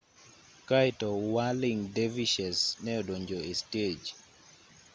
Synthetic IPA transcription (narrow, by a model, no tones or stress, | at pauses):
kajtɔwaliŋdeviʃɛsnɛɔdoɲd͡ʒoested͡ʒ